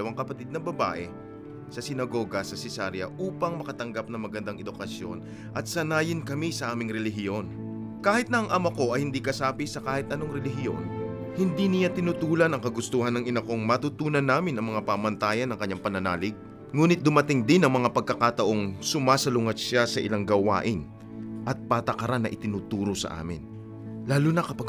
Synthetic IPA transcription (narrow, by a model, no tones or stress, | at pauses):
ɐwaŋkɐpɐt̪ɪd̪̚nɐŋbɐba̰ːʔɛ | sɐsɪnɐɡo̞ːɡɐsɐsɪsaɾjɐ̰ʔuːpɐŋmɐkɐt̪ɐŋɡap̚nɐŋmɐɡɐnd̪aŋɛd̪ʊkɐsjo̞̰n | ʔɐt̪̚sɐnaːjɪnkɐmisɐʔaːmɪŋɾɛlɪɦɪjo̞n | kaːhɪt̪̚nɐʔɐŋʔɐmɐko̞ʔɐjhɪnd̪ikɐsaːpisɐkaːhɪt̪̚ʔɐnoŋɾɛlɪɦɪjo̞̰n | hɪnd̪inɪjat̪ɪnut̪uːlɐnɐŋkɐɡʊst̪ohɐnːɐŋɪnɐko̞ŋmɐt̪ut̪uːnɐnːaːmɪnʔɐŋmɐŋapamɐnt̪aːjɐnːɐŋkɐɲːaŋpɐnɐna̰ːlɪɡ̚ | ŋuːnɪt̪̚d̪ʊmɐt̪ɪŋd̪ɪnɐŋmɐŋapɐɡ̚kɐkat̪ɐʔo̞ŋsʊmaːsɐlʊŋɐt̪ʃasɐʔɪ̰laŋɡɐwa̰ːʔɪn | ʔɐt̪̚paːt̪ɐkɐɾanːɐʔɪt̪ɪnut̪uːɾo̞sɐ̰ʔa̰ːmɪ̰n | laːlunɐkɐpɐɡ